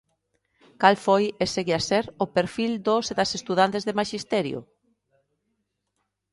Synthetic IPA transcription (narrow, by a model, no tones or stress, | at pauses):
kalfojeseɣiasɛɾopeɾfild̪oseðasest̪uðant̪ezðemaʃist̪ɛɾjo̰